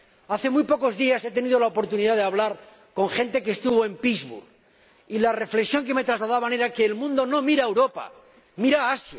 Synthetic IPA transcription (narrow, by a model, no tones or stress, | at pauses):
aθe̞mujpo̞ko̞zðiase̞t̪e̞niðo̞laopo̞ɾt̪uniðaðeaβ̞laɾ | ko̞ŋxe̞nt̪e̞keːst̪uβo̞e̞mpizβṵɾɣ | ilare̞fle̞ksjo̞ŋk̬e̞me̞t̪ɾazlað̞aβane̞ɾake̞ːlmũnd̪o̞no̞miɾaewɾo̞pa̰ | miɾaasja